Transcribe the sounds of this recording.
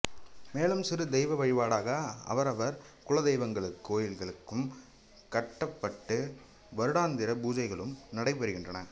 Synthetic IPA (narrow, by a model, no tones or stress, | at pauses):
meːɭɯmsɪɾɯd̪ɛɪʋɐʋɐɻɪʋaːɽaːɣɐɐ̰ʋɐɾɐʋɐɾkʊlɐðɐɪʋɐŋɡɐɭɯkːoːjɪlɣɐɭɯkːɯm | kɐʈːɐpːɐʈːɯ | ʋɐɾɯɽaːnd̪ɪɾɐbuːd͡ʒɐɪɣɐɭɯmnɐɽɐɪpːɐɾɯɣɪndrɐnɐ